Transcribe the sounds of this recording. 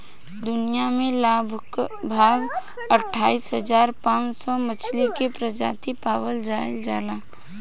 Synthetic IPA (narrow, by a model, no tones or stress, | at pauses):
d̪ʊnijamẽlaːbʱkbʱaːɡ | əʈʰːaːisɦəd͡ʒaːɾpãːt͡ʃsɔmət͡ʃʰlikepɾəd͡ʒa̰ːt̪ipaːwəld͡ʒaːɪld͡ʒaːlaː